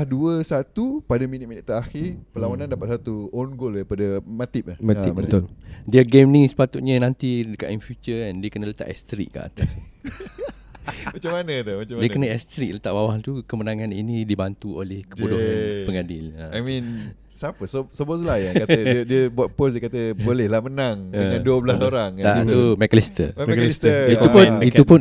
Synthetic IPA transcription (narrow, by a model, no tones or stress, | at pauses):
hduəsat̪upadaminɪt̪̚minɪt̪̚t̪əɾaxirpəlawanãndapat̪̚sat̪uɔnɡolaɾipadəmat̪ɪp̚lahat̪mat̪odiaɡemnisə̥pat̪ut̪̚ɲanant̪idəkaʔ̪infjut͡ʃəɛndiəkənələt̪a̰ʔɛst̪ɾḭʔka̰ʔt̪a | mat͡ʃamːanəd̪ɔmat͡ʃdiəkənaɛst̪ɾik̚lət̪aʔbawaht̪ukəmənãŋaninidibant̪uolɛhkəbudɔpəŋadɪləajmĩn | sapəsosoboslahjaŋkatədiəbuat̪̚posdiəkat̪əbolɛhlahmənaŋəŋãnduəblasoɾaŋt̪at̪umɛklist̪ə̰ist̪iupʊniupʊn